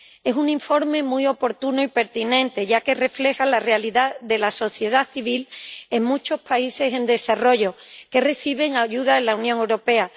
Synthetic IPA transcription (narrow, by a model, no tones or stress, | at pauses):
e̞suŋĩɱfo̞ɾme̞muio̞po̞ɾt̪unoipe̞ɾt̪inẽ̞nt̪e̞ʝake̞re̞fle̞xalare̞aliðaðe̞laso̞θje̞ð̞aθiβ̞ile̞ŋmũt͡ʃo̞spaise̞se̞nd̪e̞saro̞ʝo̞ke̞re̞θiβ̞e̞ŋaʝuðaelaunjõŋe̞wɾo̞pe̞a